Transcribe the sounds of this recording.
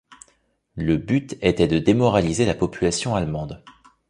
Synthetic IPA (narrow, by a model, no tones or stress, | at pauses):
ləbyt̪ɛt̪ɛd̪əd̪emɔʁalizelapɔpylasjɔ̃almɑ̃d̪